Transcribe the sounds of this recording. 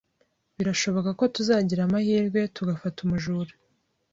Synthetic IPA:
βiɾaʃo̞βo̞kako̞tuzaːɟiɾamahiːɾɡwe̞tuɡafatumuʒuɾu

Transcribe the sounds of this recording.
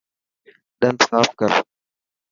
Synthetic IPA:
ɗɐnsaːfkɐɾ

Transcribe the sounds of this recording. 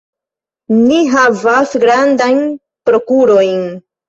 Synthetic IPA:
niɦavasɡɾandajn | pɾo̞kuɾo̞jn

